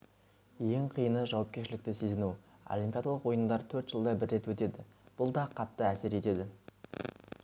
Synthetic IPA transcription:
je̞ŋqʰijənəʒɑwɑpkʲe̞ɾʃɪlɪkt̪ɪse̞zɪnuo̰lʲimpʲijad̪alˠəqwo̞jənd̪ɑɾt̪ʰɵɾt̪ʒ̥əlˠd̪ɑbɪɾːe̞t̪wɵt̪e̞d̪ɪb̥ʊlˠd̪ɑqʰɑt̪ːəæseɾe̞t̪e̞d̪ɪ

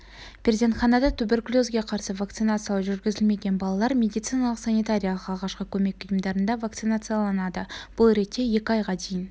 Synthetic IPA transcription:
pʲɾʲezʲent̪χɑnɑd̪ɑt̪ʰʏbɪɾklʲozɡʲe̞qʰɑɾsəvak̚t̪sɨjnat̪sɨjaʒʏɾɡʲɪzɪlme̞ɡʲe̞nbɑlˠɑlˠɑɾmʲe̞d̪ijt̪sɨjnɑlˠəqsanijt̪aɾʲijalˠəqɑlˠʁɑʃqəkʲʰɵme̞kʲʊjəmd̪ɑɾənd̪ɑvakt̪sɨjnat̪sɨjalˠɑnɑd̪əb̥ʊlˠɾe̞t̪ːe̞je̞kʲɪɑjʁɑd̪e̞jɪn

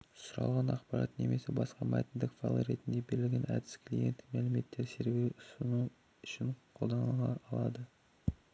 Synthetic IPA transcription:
sʊɾɑ̰lˠʁɑnɑqpɑɾɑ̰t̪ne̞me̞sɪbɑsqɑmɑ̰jt̪nd̪ɪkfɑ̰lˠə̰ɾe̞t̪ɪnd̪ebeɾɪlɡʲe̞næ̰d̪ɪ̥skʰlʲije̞nt̪ɪmælɪme̞t̪ːeɾse̞ɾɡʲeʊsənu | ʏʃɪɴqʰo̞lˠd̪ɑnʁɑʔːlˠɑd̪ə

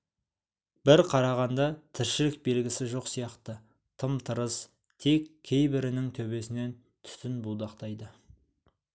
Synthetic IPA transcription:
b̥ɪɾqʰɑɾɑʁɑnd̪ɑt̪ʰɪɾʃɪlɪk̚be̞lɡʲɪsɪʒo̞qsijɑqt̪ə | t̪ʰəmt̪ʰəɾəz̥ | t̪ʰe̞kʲʰːe̞jbɪɾɪnɪŋt̪ʰɵβe̞sɪne̞n | t̪ʰʏ̥sɪnbud̪ɑqt̪ɑjd̪ə

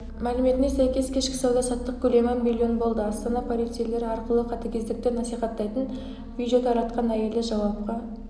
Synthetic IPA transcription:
mælɪme̞t̪ɪnesæjkʲe̞skʲʰe̞ʃkʲɪ̥sɑwd̪ɑsɑt̪ːəq̚kʲʰɵle̞mɑnmilʲːjo̞nbo̞lˠd̪əɑst̪ɑnɑpʰolijt̪sijle̞ɾɪɑɾqəlˠəqʰɑt̪ɑkʲʰe̞zd̪ɪk̚t̪enɑsijχɑt̪ːɑjt̪ən | vʲijd̪e̞t̪ɑɾɑt̪qɑnæje̞lɪʒɑwɑp̚qɑ

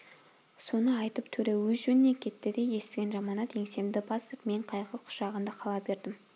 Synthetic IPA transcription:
so̞nəɑjt̪əp̚t̪ʰɵɾewɵzʒɵnɪnekʲʰe̞t̪ːɪd̪e̞je̞st̪ɪɡʲe̞nʒɑmɑnɑt̪e̞ŋse̞md̪ɪbɑsəpme̞ɴqʰɑjqəqʰʊ̥ʃɑʁənd̪ɑqʰɑlˠɑbe̞ɾd̪ɪm

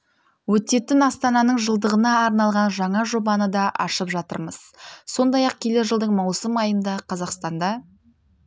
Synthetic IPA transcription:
wɵt̪e̞t̪ːɪnɑst̪ɑnɑnəɴʒəlˠd̪əʁənɑːɾnɑlˠʁɑnʒɑɴɑʒo̞bɑnəd̪ɑʔɑ̰ʃəpʒɑt̪ə̰ɾməz̥so̞nd̪ɑjɑq̚kʲʰe̞le̞ʒəlˠd̪əɴmɑwsəmɑjənd̪ɑqʰɑzɑqst̪ɑnd̪ɑ

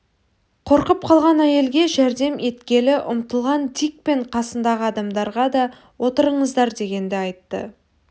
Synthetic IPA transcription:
qʰo̞ɾqəp̚qʰɑlˠʁɑnæje̞lɡʲe̞ʒæɾd̪e̞mʔe̞t̪kʲe̞lɪʔʊmt̪əlˠʁɑnd̪ik̚pe̞ɴqʰɑsənd̪ɑʁəɑd̪ɑmd̪ɑɾʁɑd̪ɑ | wo̞t̪əɾəɴəzd̪ɑɾd̪e̞ɡʲe̞nd̪ɪɑjt̪ːə̰

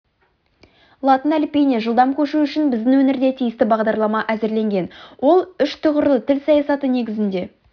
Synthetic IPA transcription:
lˠɑt̪ənælpʲijneʒəlˠd̪ɑmkʲʰɵʃuʏʃɪnbɪzd̪ɪŋwɵnɪɾd̪e̞t̪ʰijɪst̪ɪbɑʁd̪ɑɾlˠɑmɑʔæzɪɾle̞ŋɡʲe̞nwʔo̞lˠʏʃt̪ʰʊʁəɾlˠət̪ʰɪlsɑjɑsɑt̪əne̞ɡʲɪzɪnd̪e̞

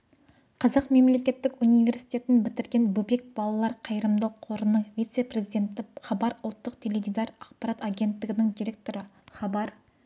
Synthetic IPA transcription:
qʰɑzɑqme̞mle̞kʲe̞t̪ːɪkunijvʲe̞ɾsijt̪e̞t̪ɪnbɪt̪ɪɾɡʲe̞nbɵbe̞k̚b̥ɑlˠɑlˠɑɾqʰɑjəɾəmd̪ɑqʰo̞ɾənəɴvʲijt̪se̞pre̞zijd̪ʲe̞nt̪ɪχɑbɑɾʊlˠt̪ːəqt̪ʰe̞levʲid̪ɑɾɑqpɑɾɑt̪aɡʲe̞nt̪ːɪɡʲɪnɪŋd̪iɾʲek̚t̪o̞ɾəχɑbɑɾ

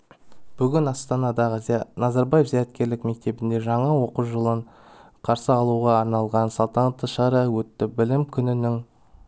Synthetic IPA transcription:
b̥ʏɡʲɪnɑst̪ɑnɑd̪ɑʁəzijɑnɑzɑɾbɑjefzæjæt̪̚kʲe̞ɾlɪkme̞k̚t̪e̞bɪnd̪e̞ʒɑɴɑwo̞quʒəlˠəɴ | qʰɑɾsəɑlˠuʁɑːɾnɑlˠʁɑnsɑlˠt̪ɑnɑt̪ːəʃɑɾəwɵt̪ːɪbɪlɪmkʲʰʏnɪnɪŋ

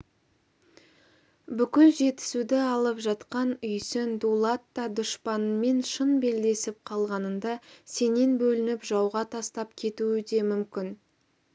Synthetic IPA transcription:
bʏkʲɪlʒe̞t̪ɪ̥sud̪ɪɑlˠəpʒɑt̪qɑnʏjsɪnd̪ulˠat̪ːɑd̪ʊʃpɑnəme̞nʃənbe̞ld̪e̞sɪp̚qʰɑlˠʁɑnənd̪ɑse̞ne̞nbɵlɪnɪpʒɑwʁɑt̪ʰɑst̪ɑp̚kʲʰe̞t̪uɪd̪e̞mʏmkʲɪn

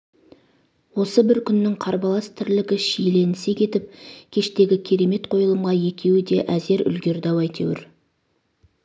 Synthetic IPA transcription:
wo̞səbɪɾkʲʰʏnːɪŋqʰɑɾbɑlˠɑst̪ʰɪɾlɪɡʲɪʃijle̞nɪsekʲʰe̞t̪ɪp̚kʲʰe̞ʃt̪e̞ɡʲɪkʲʰe̞ɾe̞me̞t̪qʰo̞jəlˠəmʁɑje̞kʲʰe̞wɪd̪e̞ʔæze̞ɾʏ̰lɡʲe̞ɾd̪ɑwɑjt̪ʰḛwɪ̰ɾ

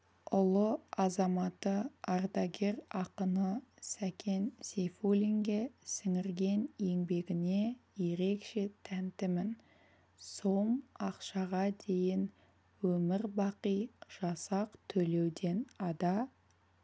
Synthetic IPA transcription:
ʊlˠəɑzɑmɑt̪əɑrd̪ɑɡʲe̞ɾɑqənəsækʲe̞nsʲefulʲiŋɡʲesɪŋɪɾɡʲe̞nje̞ŋbe̞ɡʲɪne̞je̞ɾe̞kʃe̞t̪ʰænt̪ɪmɪn | somɑqʃɑʁɑd̪e̞jɪn | wɵmɪɾbɑqijʒ̥ɑsɑqt̪ʰɵle̞wd̪e̞nɑd̪ɑ

